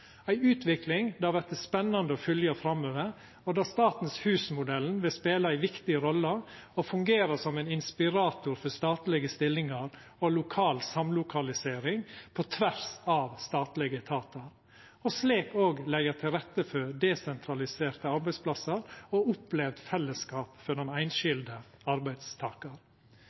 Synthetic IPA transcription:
æɪʉːt̪ʰʋɪklɪŋd̪æɑɾʋɛt̪̚d̪ɛspɛnːɑnd̪əɔfʏljəfɾɑmøːʋəɾ | ɔd̪ɑst̪ɑːt̪n̩shʉːsmʊd̪ɛln̩ʋɪlspeːlɑæɪʋɪkt̪ɪəɾɔlːəɔfʉŋɡeːɾəsɔmæɪnɪnspɪɾɑːt̪ʊɾfɔst̪ɑːt̪lɪɡəst̪ɪlːɪŋɑɾ | ɔlʊkʰɑːlsɑmlʊkʰɑlɪseːɾɪŋpʰot̪ʰʋæɾsɑʋst̪ɑːt̪lɪɡət̪ʰɑːt̪ɑɾ | ɔsliːkoːɡlɛət̪ʰɪlɾɛt̪ːəfɔd̪ɛsɛnt̪ʰɾɑlɪseːɾt̪əɑɾbæɪspʰlɑsəɾɔʊplɛʋd̪fɛlːəskɑːpfɔɳʊnæɪnʃɪld̪ə | ɑɾbæɪd̪st̪ʰɑːkɑɾ

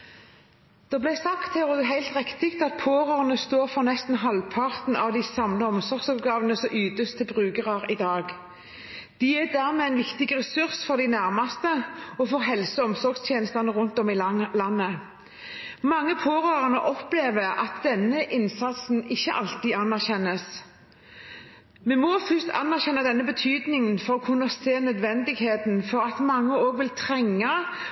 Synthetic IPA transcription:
d̪̥ɛblæɪsɑkt̪ɛʁod̪ɛɦæɪlt̪ʁɪkt̪ɪkt̪ɑt̪̚pʰoːʁøːʁnəst̪oːʁfɔʁnɛst̪n̩ɦɑlpʰɑʁt̪n̩ɑʋd̪ɪsɑmləɔmsɔɾɡ̥sɑp̚ɡɑːʋənəsɔʔyːd̪əst̪ʰːɪlbʁʉːɡəʁɑʁɪd̪ɑːɡ | d̪̥iɛd̪æːʁmeːænʋɪkt̪ɪɡʁɛsʉʁsfɔʁd̪ɪnæʁmɑst̪əɔfɔʁɦɛlsəɔmsɔʁɡst̪ʰjeːnəst̪ɑnəʁʉnt̪ɔmɪlɑnːə | mɑŋːəpʰoːʁøːʁɑnəʔɔpleːʋəɾʔɑ̰t̪̚d̪̥ɛnːəʔɪnsɑt̪sn̩ɪçːəʔɑlt̪iːɑnːæʁçɛnːəs | mɛmɔfʏst̪ʰɑ̰nːæʁçɛnːɑd̪ɛnːəbət̪ʰyːd̪nɪŋənfɔʁɔkʰʉnːɑseːnœd̪ʋɛnd̪ɪɡheːt̪nfɔʁɑt̪mɑŋːəoːɡʋɪlt̪ʰʁɛŋːɑ

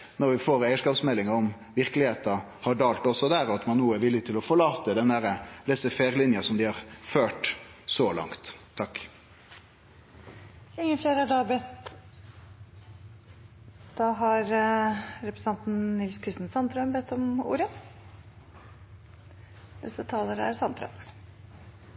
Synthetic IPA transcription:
nɔɾʋɪfoːɾæɪəʂkɑːpsmɛlːɪŋəɔm | ʋɪɾklɪheːt̪ɑ | hɑɖɑːlt̪ɔsɔd̪æːɾɑt̪mɑnːuːəəʋɪlːɪt̪ʰɪlɔfɔɾɭɑːt̪əd̪ɛnd̪æɾəlɛsəfeːɾlɪnjɑsɔmd̪ɪhɑʁføːʈsɔlɑ̰ŋt̪ʰːɑkː | ɪŋːəfleːɾæɖɑːbɛt̪ | d̪̥ɑːɦɑɾ | ɾɛpɾəsɑnt̪n̩nɪlskʰɾɪst̪ənsɑnt̪ɾœmbɛt̪ːɔmṵːɾə | ʋɛ̰sət̪ʰɑːləɾæ̰ɾsɑnt̪ɾœ̰m

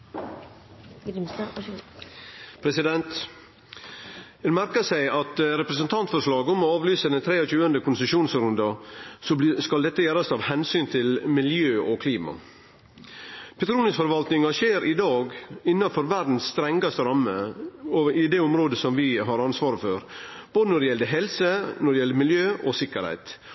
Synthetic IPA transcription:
pʰɾɛsɪd̪ɛnt̪ | ɛmæɾkəsæɪɑt̪ɾɛpɾɛsənt̪ʰɑnt̪fɔʂlɑːɡɔmɔɑːʋlyːsəd̪ɛnt̪ʰɾeːɔc͡çʉːənd̪əkʰʊnsəʂuːnsɾʉnd̪ɑsɔskɑld̪ɛt̪ːəjæːɾɑst̪ʰɑːʋhɛnsyːnt̪ʰɪlmɪljøːʔɔkʰliːmɑ̰ | pʰɛt̪ʰɾuːnɪsfɔɾʋɑlt̪nɪŋɑʂeːɾʔɪd̪ɑːɡɪnːɑfɔɾʋæɾɖ̪n̩sːt̪ɾɛŋɡɑst̪əɾɑmːə | ɪd̪eːʊmɾoːd̪əsɔmʋɪɦɑɾɑnsʋɑːɾəføɾb̥oːd̪ənɔɖɛjɛld̪əɦɛlsənɔɾɖɛjɛlːəmɪljøːʔɔsɪkːəɾhæ̰ɪt̪

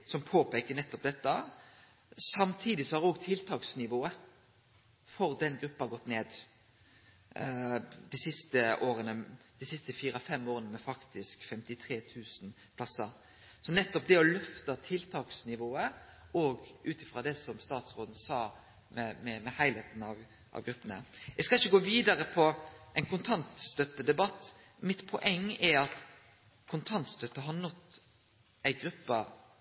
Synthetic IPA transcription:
sɔmpʰoːpeːkənɛt̪ːɔpd̪ɛt̪ːə | sɑmt̪ʰiːd̪ɪsɔhɑd̪ɔɡt̪ʰɪlt̪ʰɑːksnɪʋoːə | fɔɾd̪ɛnɡɾʉpːɑɡɔt̪ːneːd̪ | d̪ɪsɪst̪əoːɾənəd̪ɪsɪst̪əfiːɾəfɛmːoːɾənəmɛfɑkt̪ɪskfɛmt̪ɪt̪ʰɾeːt̪ʰʉːsn̩ | pʰlɑsəɾ | sɔnɛt̪ːɔp̚d̪ɛɔlœft̪ɑt̪ʰɪlt̪ʰɑːksnɪʋoːə | ɔːɡʉːt̪ɪfʁɑd̪ɛsɔmst̪ɑːt̪sʁoːd̪n̩sɑː | mɛmɛmɛhæɪleːt̪n̩ɑʋ | ʔɑ̰ʋɡɾʉpːənə̰jæskɑlɪçːəɡoːʋiːd̪ɑɾəpʰɔʔæɪnkʊnt̪ʰɑnt̪st̪œt̪ːəd̪ɛbɑt̪ː | mɪt̪pʰɔʔɛŋːɛɑt̪ | kʰʊnt̪ʰɑnt̪st̪œt̪ːəɦɑnɔt̪ | æɪɡɾʉpːə

